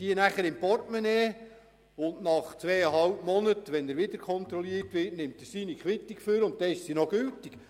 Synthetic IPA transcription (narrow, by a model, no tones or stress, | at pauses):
d̥iənæχəɾɪmpɔrtmɛneː | ʊnnɑχt͡sʋɛːəɦɑlpmɔnətʋɛnəɾʋɪd̪əɾkʰɔnt̪ɾɔliəɾtʋɪtnɪmt̪əɾsiːnikχʋɪt̪ːikføɾʊnt̚dɛɪʃsinɔɡ̥øltik